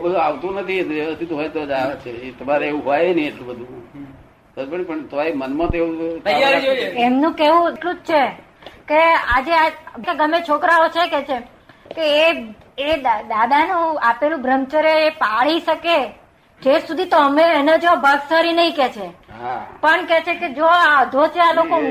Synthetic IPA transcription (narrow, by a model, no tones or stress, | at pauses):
bəd̪ʱuaʋt̪ũnət̪ʰiʋjeʋəst̪ʰit̪uɦojt̪od͡ʒaʋet͡ʃʰet̪əmaɾeeʋũɦojenĩeʈlũbəd̪ʱũ | əɾpəɳpəɳt̪əʋaemənmãt̪oeũad͡ʒemnũkeʋũeʈlũd͡ʒt͡ʃʰe | kead͡ʒeakeɡəmet͡ʃʰokɾaot͡ʃʰekɛt͡ʃʰe | keː | ead̪ad̪ʱanũapelũbʱɾəmt͡ʃəɾeːpaɭiʃəke | d͡ʒesud̪ʱit̪oəmeened͡ʒobʱəɡsaɾinəĩkɛt͡ʃʰe | pəɳkɛt͡ʃʰeked͡ʒoaəd̪ʱot͡ʃʰealoko